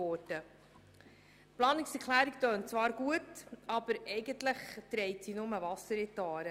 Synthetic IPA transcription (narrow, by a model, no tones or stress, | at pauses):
ɔɾdə | plɑːniksɛɾkʰχlæːɾiktøːnt͡svɑːɾɡ̥uətɑb̥əɾɛɪɡəntləχt̪ɾɛɪtsinʊməvɑsəɾɛt̪ɑːɾə